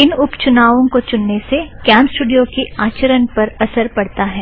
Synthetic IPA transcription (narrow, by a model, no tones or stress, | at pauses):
ɪnʊpt͡ʃʊnaːʋõkot͡ʃʊnːesekjaːnsʈuːɖijokiaːt͡ʃəɾənpɐɾɐsəɾpɐɽt̪aɦɛː